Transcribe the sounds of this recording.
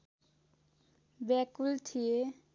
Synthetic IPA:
bɛkult̪ʰie

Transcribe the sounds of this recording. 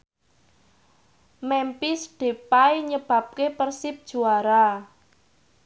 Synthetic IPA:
mɛmpisɖ̥e̤pajɲəb̥ä̤p̚kepərsɪp̚d̥ʒ̥ṳaɾa

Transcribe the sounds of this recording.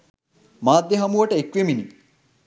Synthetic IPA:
maːd̪jeɦɐmuʋɐʈəekʋemini

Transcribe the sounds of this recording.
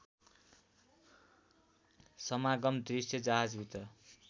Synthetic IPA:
sʌmaɡʌmd̪risjʌd͡zaɦad͡zbʱit̪ʌ

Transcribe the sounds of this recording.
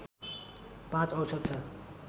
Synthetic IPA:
pãt͡sʌwsʰot̪̚t͡sʰʌ

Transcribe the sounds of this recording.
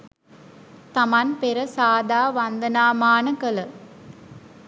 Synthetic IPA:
t̪ɐmanpeɾəsaːd̪aːʋand̪ənaːmaːnəkələ

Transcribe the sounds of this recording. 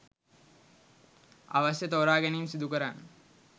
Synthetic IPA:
a̰ʋasjət̪oːɾaːɡæniːmsid̪ukəɾanːə

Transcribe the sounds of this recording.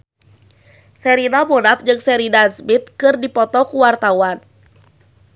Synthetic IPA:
sɛɾinamonap̚d͡ʒɨŋsɛɾidansmit̪̚kɨrdipɔt̪ɔkuwart̪awan

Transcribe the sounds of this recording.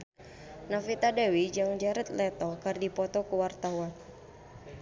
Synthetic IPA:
nafit̪adawid͡ʒaŋd͡ʒaɾət̪̚lɛt̪ɔkardipɔt̪ɔkuwart̪awan

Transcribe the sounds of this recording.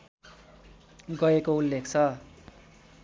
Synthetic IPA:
ɡʌekoulːekʰt͡sʰʌ

